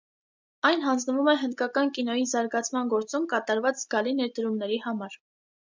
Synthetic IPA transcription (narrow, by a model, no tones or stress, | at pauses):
ɑjnɦɑnd͡znəvumɛɦənd̪̚kɑkɑnkinɔjizɑɾɡɑt͡sʰmɑnɡɔɾt͡sumkɑt̪ɑɾvɑt͡szɡɑlinɛɾd̪əɾumnɛɾihɑmɑɾ